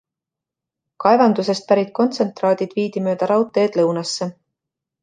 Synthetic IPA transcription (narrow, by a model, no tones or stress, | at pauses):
kɑe̞vɑnd̪use̞st̪̚pæɾit̪̚ˑko̞nt̪se̞nt̪ˑrɑːd̪̥ʲid̪̥viːd̪̥imø̞ːd̪̥ɑɾɑwt̪ːˑe̞ːd̪̥lɤwnɑsːe